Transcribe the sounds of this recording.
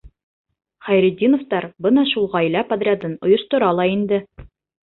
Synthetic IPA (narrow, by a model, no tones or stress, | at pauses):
χæjɾĭd̪ʲːinŏft̪ɑɾbɤnɑʃulˠʁɑjlæpɐd̪rʲɪad̪ɤnŏjŏʃt̪ŏɾɑlˠɑind̪ɘ